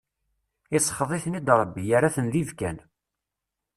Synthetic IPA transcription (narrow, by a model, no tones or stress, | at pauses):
ɪsˤə̥χəðˤɪθnid̪ɾˤəbːijaɾaθənðivkæn